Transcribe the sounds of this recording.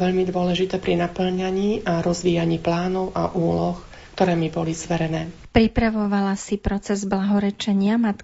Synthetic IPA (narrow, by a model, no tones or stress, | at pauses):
ʋɛʎmid̪ʊɔlɛʒit̪ɛːpɾinapl̩ɲaɲiːʔaɾɔzʋiːjaɲiːplaːnɔʊʔa̰ʔuːlɔx | kt̪ɔɾɛːmibɔlizʋɛɾɛnɛː | pɾipɾaʋɔʋalasipɾɔt͡sɛzblaɦɔɾɛt͡ʃɛɲɪamat̪